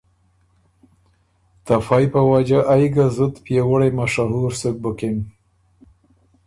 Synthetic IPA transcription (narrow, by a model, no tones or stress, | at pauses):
t̪afɑjpəwad͡ʒaʔajɡazət̪pjewəɽajmaʃaɦuɾsək̚bəkem